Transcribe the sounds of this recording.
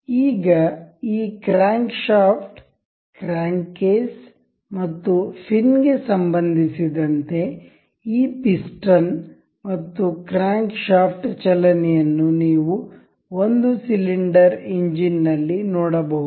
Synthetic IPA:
iːɡɐiːkɾaːŋkʃaːpʰʈ | kɾaːŋkeːs | mɐt̪ːupʰinɡe̞sɐmbɐnd̪ʱisid̪ɐnt̪e̞ | iːpisʈɐn | mɐt̪ːukɾaːŋkʃaːpʰʈt͡ʃɐlɐnɛjɐnːuniːʋu | ond̪usiliɳɖɐɾiɲd͡ʒinːɐlːinoːɽɐbɐɦud̪

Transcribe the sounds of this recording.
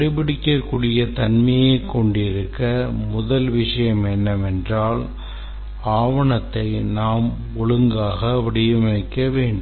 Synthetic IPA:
ɐɽɪpɪɽɪkːɐkːuːɽɪjɐt̪ɐnmɐjeɪkːɔɳɖɪɾɯkːɐmʊðɐlʋɪʂɐjɐmɛnːɐmɛndraːl | aːʋɐɳɐt̪ːɐɪnaːm | ɔɭɯŋɡaːɣɐʋɪɽɪjɯmɐɪkːɐʋeːɳɖɯ

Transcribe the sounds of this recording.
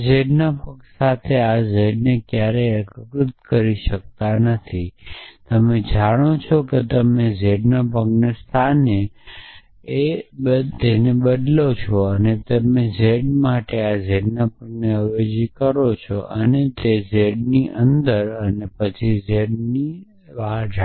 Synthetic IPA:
d͡ʒeɖnapəksat̪ʰead͡ʒeɖnekjaɾeəkəkɾʊt̪kəɾiʃək̚t̪anət̪ʰit̪əmed͡ʒaɽ̃ot͡ʃʰɔket̪əmed͡ʒeɖnapəɡnest̪ʰane | eət̪enebəd̪lot͡ʃʰɔənet̪əmed͡ʒeɖmaʈead͡ʒeɖnapəɡ̚neəjod͡ʒikəɾot͡ʃʰɔ̰ʔənet̪ezeɖniʔənd̪əɾənepət͡ʃʰid͡ʒeɖni | ʋaɦd͡ʒa

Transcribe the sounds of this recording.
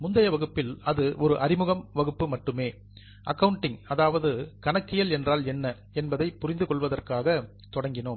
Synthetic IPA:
mʊnd̪ɐjɐʋɐɣɯpːɪlɐðɯʔɔɾɯʔɐɾɪmɯɣɐmʋɐɣɯpːɯmɐʈːɯmeː | ʔɐkːɐʋɯɳʈːɪŋɐðaːʋɐðɯkɐɳɐkːɪjɐlɛndraːlɛnːɐ | ɛnbɐðɐɪpːʊrɪnd̪ɯkɔɭʋɐðɐrkaːɣɐ | t̪ɔɽɐŋɡɪnoːm

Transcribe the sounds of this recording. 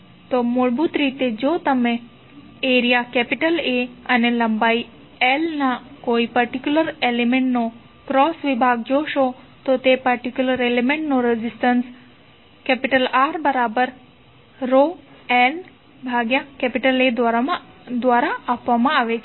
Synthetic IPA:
t̪omoɭbut̪ɾit̪ed͡ʒot̪əmẽ | eɾijakɛpiʈəleəneləmbai | elnakoipəɾʈikjuləɾelemẽɳʈno | kɾɔsʋibʱaɡ̚d͡ʒoʃo | t̪ot̪epəɾʈikjuləɾelemẽɳʈnoɾɛzisʈəns | kɛpiʈəlaɾbəɾabəɾ | ɾo | el | bʱaɡjakɛpiʈəled̪ | d̪ʋaɾaːpʋamãaʋet͡ʃʰe

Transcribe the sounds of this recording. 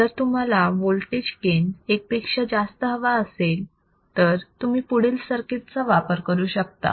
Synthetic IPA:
d͡zəɾt̪um̤alaʋolʈed͡ʑkenek̚pekʂəd͡zast̪əɦəʋaəsel | t̪əɾt̪um̤iːpuɽ̤ilsəɾket̪t͡səʋapəɾkəɾuːɕək̚t̪a̰

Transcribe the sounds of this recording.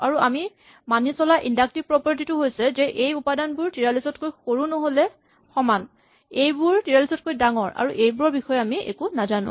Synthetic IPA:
aɹuami | manisɔlaʔindak̚tipɹɔpɔɹt̬itʊɦojsɛzɛʔejupadanbʊɹtiɹalisɔtkojxoɹunoɦolɛ | xɔman | ejbuɹtiɹalisɔt̚kojdaŋɔɹa̰ɹuʔejbʊɹɔɹbixɔjɔamiḛkunazanʊ̰̃

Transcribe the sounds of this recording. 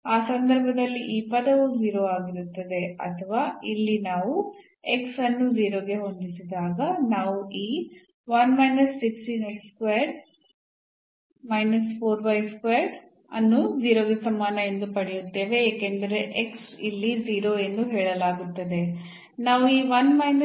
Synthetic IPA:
aːsɐnd̪ɐɾbʱɐd̪ɐlːiʔiːpɐd̪ɐʋuziːɾoaːɡiɾut̪ːɐd̪e̞ɐ̰t̪ʰɐʋaːilːinaːʋu | e̞ksɐnːuziːɾoːɡe̞ɦo̞nd̪isid̪aːɡɐnaːʋuʔiː | ʋɐnmɐjnɐsːiksʈinɐjkskʋeɖ | mɐjnɐspʰoːɾʋɐjskʋjaɾɖ | ɐ̰nːuʋiːɾoːɡɐsɐmaːnɐend̪upɐɽɛjut̪ːe̞ːʋe̞eːkend̪ɐɾe̞ʔeksilːiziːɾoe̞nd̪uɦeːɭɐlaːɡut̪ːɐd̪e̞ | naːʋuiːʋɐnmɐjnɐ

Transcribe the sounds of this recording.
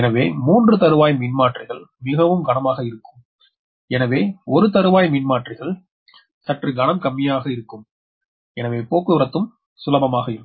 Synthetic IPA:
ɛnɐʋeːmuːndrɯt̪ɐɾɯʋaːjmɪnmaːʈrɪɣɐɭmɪɣɐʋɯmɡɐɳɐmaːɣɐɪɾɯkːɯm | ɛnɐʋeːɔɾɯt̪ɐɾɯʋaːjmɪnmaːʈrɪɣɐɭ | sɐʈrɯɡɐnɐmkɐmːɪjaːɣɐɪɾɯkːɯm | ɛnɐʋeːpoːkːɯɾɐt̪ːɯm | sʊlɐbɐmaːɣɐɪɾɯ

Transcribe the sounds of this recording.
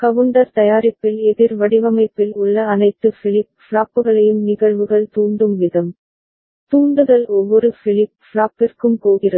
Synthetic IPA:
kɐʋɯɳɖɐɾt̪ɐjaːɾɪpːɪlɛðɪɾʋɐɽɪʋɐmɐɪpːɪlʊɭːɐːnɐɪt̪ːɯfɪɭɪpfɭaːpːɯɣɐɭɐjɯmnɪɣɐɭʋɯɣɐɭt̪uːɳɖɯmʋɪðɐm | t̪uːɳɖɯðɐlɔʋːɔɾɯfɪɭɪp̚fɭaːpːɪrkɯmkoːɣɪrɐ

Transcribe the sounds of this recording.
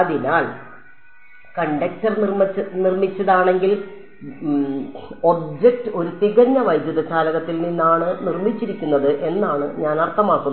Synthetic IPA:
ɐðinaːɭ | kɐɳɖɐk̚tɐrnirmnirmit͡ɕːɐðaːɳe̞ŋɡil | obd͡ʑek̚tɨo̞ɾut̪iɣɐɲːɐʋɐjd̪jɐðɐt͡ɕaːlɐɣɐt̪ːilninːaːɳɨnirmit͡ɕːiɾikʲːunːɐðɨʔe̞nːaːɳɨɲaːnɐrt̪ʰːɐmaːkːunːɐ

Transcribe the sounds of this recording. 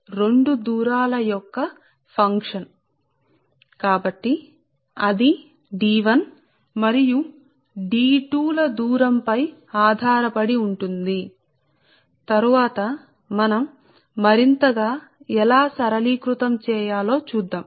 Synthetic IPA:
ɾe̞ɳɖud̪uːɾaːlɐjɔkːɐ | pʰɐŋkʂɐn | kaːbɐʈːi | ɐd̪i | ɖiːʋɐn | mɐɾiju | ɖiːʈuːlɐd̪uːɾɐmpɐjaːd̪ʱaːɾɐpɐɽiuɳʈund̪i | t̪ɐɾuʋaːt̪ɐ | mɐnɐmː | ɐɾint̪ɐɡaːɛlaːsɐɾɐliːkɾut̪ɐmt͡ʃɛːjaːlo̞ːt͡ʃuːd̪ːaːm

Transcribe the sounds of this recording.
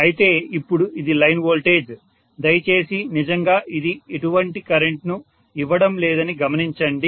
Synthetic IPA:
ɐjit̪e̞ːipːuɽuʔid̪ilɐjnʋoːlʈe̞ːd͡ʒ | d̪ɐjɐt͡ʃe̞ːsinid͡ʒɐŋɡaːʔid̪ieʈuʋɐɳʈikɐɾe̞ɳʈnu | iʋːɐɽɐmlɛːd̪ɐniɡɐmɐniɲt͡ʃɐɳɖi

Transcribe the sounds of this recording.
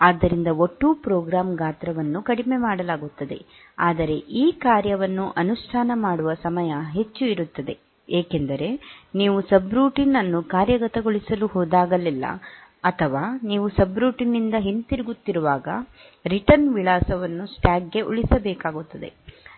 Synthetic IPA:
aːd̪ːɐɾind̪ɐo̞ʈːupɾɔːɡɾaːmɡaːt̪ɾɐʋɐnːukɐɽime̞maːɽɐlaːɡut̪ːɐd̪e̞̰ | aːd̪ɐɾe̞ʔiːkaːɾjɐʋɐnːuʔɐnuʂʈʰaːnɐmaːɽuʋɐsɐmɐjɐɦe̞t͡ʃːuiɾut̪ːɐd̪e̞̰ | eːke̞nd̪ɐɾe̞niːʋusɐbɾuːʈinɐnːukaːɾjɐɡɐt̪ɐɡoɭisɐluɦɔːd̪aːɡɐlːilːɐ̰ɐt̪ʰɐʋaːniːʋusɐbɾuːʈinːind̪ɐɦint̪iɾiɡut̪ːiɾuʋaːɡɐ̰ | ɾiʈɐɾnʋiɭaːsɐʋɐnːusʈaːɡɡe̞ʔṵɭisɐbɛːkaːɡut̪ːɐd̪e̞̰

